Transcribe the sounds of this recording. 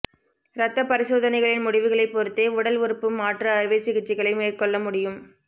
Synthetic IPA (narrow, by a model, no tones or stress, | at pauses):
ɾɐt̪ːɐpɐɾɪsoːðɐnɐɪɣɐɭɪnmʊɽɪʋɯɣɐɭɐɪpːɔɾɯt̪ːeːʊɽɐlʋɪɾɯpːɯmaːʈrɐːɾɯʋɐɪsɪɣɪt͡ʃːɪɣɐɭɐɪmeːrkɔɭːɐmʊɽɪjɯm